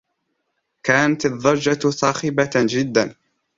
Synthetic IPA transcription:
kaːnat̪ɑðˤːɑɾˤd͡ʒasˤɑːxɪbad͡ʒɪd̪ːan

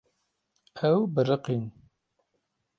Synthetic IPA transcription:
ɛwbɨɾɨqin

